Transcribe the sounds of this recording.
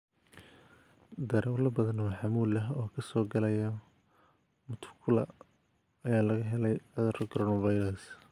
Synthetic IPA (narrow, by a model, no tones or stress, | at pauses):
d̪ɐɾɐlɐbɐðɐnɔħɑmuːlɐɦɔːkʰɐsɔːɡɐlɐjɐ | mʊt̪ʰʊ̥kʰʊlɐ̰ | ɐjaːlɐɣɐɦɛlɛjɐðɐɾkʰɾɔːnɐvajɾɐs